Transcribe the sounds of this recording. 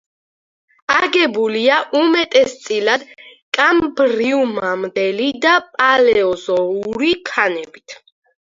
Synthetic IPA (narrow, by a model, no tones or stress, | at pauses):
aɡɛbuliaʔumɛt̪ʼɛst̪sʼilad̪̥kʼambɾiumamd̪ɛlid̪apʼalɛɔzɔuɾikʰanɛbit̪ʰ